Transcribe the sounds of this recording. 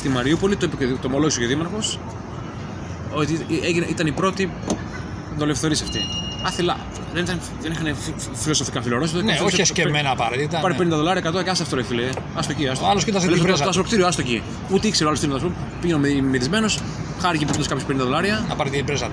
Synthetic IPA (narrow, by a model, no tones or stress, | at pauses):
t̪imɐɾiupolit̪opt̪oːmoloʝisooðimɐɾxo̞s | ot̪ieʝinʔit̪ɐnipɾo̞t̪i | ðo̞lefθo̞ɾisɐft̪iɐθelɐ̰ | ðeit̪ɐn | ðenixɐne | filo̞so̞fikɐfiloɾosit̪iɐeoçssevmenɐpɐɾɐt̪it̪ɐpɐɾipnind̪ɐðolɐɾiɐekɐt̪okɐsɐft̪oɾefileɐst̪ociɐst̪ɐloskit̪ɐs̬elessɐsokt̪iɾioɐst̪ocḭ | ut̪eikse̞ɾoalost̪inɐs̬pum | piʝenommiðizme̞no̞s | xɐɾcipinskɐpçopenind̪ɐðo̞lɐɾiɐnɐpɐɾt̪ibɾezɐ